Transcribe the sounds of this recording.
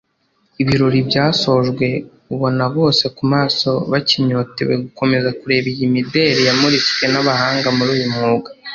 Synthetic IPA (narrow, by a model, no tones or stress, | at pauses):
iβiɾo̞ɾibɟaːso̞ʒɡwe̞ | uβo̞naβo̞ːse̞kumaːso̞βaciɲo̞ːte̞̰wḛɡuko̞me̞zakuɾe̞βijimide̞ːɾijamuɾiske̞naβahaːŋɡamuɾuːjumŋuːɡa